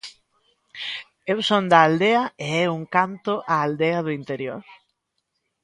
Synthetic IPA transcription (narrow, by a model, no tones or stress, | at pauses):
ewsond̪ɐːld̪eɐeɛuŋkant̪ʊʔaːld̪eɐðʊint̪eɾjo̰ɾ